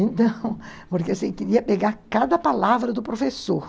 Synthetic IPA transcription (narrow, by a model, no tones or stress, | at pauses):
ẽnt̪ɐ̃w̃poɾkeasĩkɪɾiɐpeɡaɾkad̪ɐpalavɾɐd̪ʊpɾofesoɾ